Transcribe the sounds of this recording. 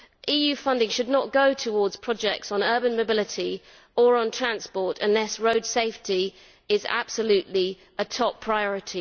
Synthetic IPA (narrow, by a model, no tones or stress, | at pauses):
ʔiːjʉːfʌ̃ndɪ̃ŋʃədⁿnəʔ̚ɡ̥əʊtʰəwɔːdz̥pʰɹ̥ɒd͡ʒɛk̚tsn̩ɜːbə̃nməʊbɪlɪtʰi | əɹə̃ntʰɹ̥ãnspɔˑtʰə̰̃nlɛsɹəʊd̥seɪfti | ɪza̰b̥səljʉˑʔli | ətʰɒpʰɹ̥aɪɒɹɪtʰi